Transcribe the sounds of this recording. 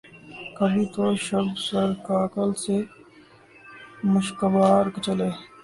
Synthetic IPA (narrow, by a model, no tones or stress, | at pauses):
kəbʱit̪oʃɐbsəɾkaːkəlse | mʊʃkəʋaːɾkt͡ʃɐleː